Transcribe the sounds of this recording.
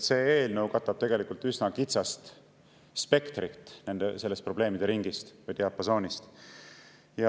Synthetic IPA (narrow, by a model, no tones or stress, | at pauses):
se̞ːeːlnɤwkɑt̪ːˑɑb̥̚t̪e̞ɡ̥e̞likult̪ːˑysnɑkit̪sɑst̪ | spe̞kt̪rit̪ːˑne̞nd̪̥ese̞lːe̞st̪̚pro̞b̥le̞ːmid̪e̞ɾiŋɡ̥ist̪vɯjt̪eɑpːˑɑso̞ːnist̪ | jɑ